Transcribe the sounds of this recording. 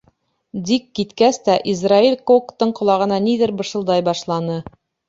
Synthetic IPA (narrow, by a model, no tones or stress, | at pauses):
d̪ikːit̪kæst̪æʔizrailʲkokt̪ɤɴqŏlˠɑʁɤ̆nɑniðɘɾbɤ̆ʃɤ̆lˠd̪ɑjbɑʃlˠɑnɤ